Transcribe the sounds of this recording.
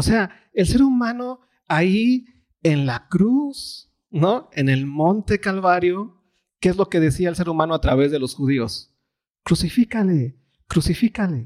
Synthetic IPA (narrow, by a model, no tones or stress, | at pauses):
ose̞a | e̞lse̞ɾumãno̞ | ai | e̞nlakɾus | no̞e̞ne̞lmõ̞nt̪e̞kalβaɾjo̞ | keezlo̞ke̞ðe̞siaelse̞ɾumãno̞at̪ɾaβ̞e̞zðe̞lo̞sxuð̞io̞s | kɾusifikale | kɾusifikale̞